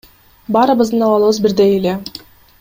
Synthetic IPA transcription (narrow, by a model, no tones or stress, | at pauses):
bɑːɾɯβɯzd̪ɯnɑβɑlˠɯβɯzbiɾd̪ejele